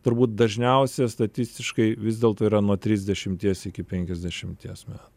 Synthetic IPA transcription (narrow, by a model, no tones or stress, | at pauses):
t̪ʊɾbuːt̪̚d̪ɐʒʲnʲɛʊsʲɛst̪ɐt̪ʲɪsʲt̪ʲɪʃkɐɪʋʲɪzʲd̪ʲeɛlˠt̪oːiːɾɐnuɔt̪ʲɾʲiːzʲd̪ʲɛʃʲɪmʲt̪ʲiɛsɪkʲɪpʲɛŋʲkʲɛzʲd̪ʲɛʃʲɪmʲt̪ʲiɛsmʲæːt̪ʊ